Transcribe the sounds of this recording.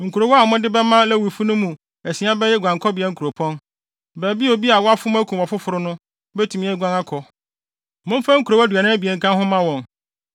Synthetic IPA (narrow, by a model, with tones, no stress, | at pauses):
ŋ̩˨kʰu˨ɾo˨wɔ˦a˨mʊ̃˦dɪ˦bɛ˦mã˦lɛ˦˨wi˨fu˦nʊ̃˦mũ˨ | ɛ˨sĩ˨˦ã˦bɛ˦jɛ˦ɡʷã˨ŋkʰɔ˦bɪ˨ɛ˦ŋ̩˦kʰu˨ɾo˨pʰɔ̃˦n | bɛː˨bi˦o˨bi˦a˨wɔ˦a˦fʊ˦m̃˦æ˦kʰũ˨a˨fʊ˦fʊ˨ɾʊ˦nʊ̃˦ | bɛ˦tʰu˨mĩ˨˦ɛ˦ɡʷã˦ŋa˦kʰɔ˨ | mʊ̃˦m˦fa˦ŋ̩˦ku˨ɾo˨wæ˦da˨nɪ̃˦bi˨e˨ŋ̩˨kʰã˦hʊ̃˦mã˦wɔ̃˨ŋ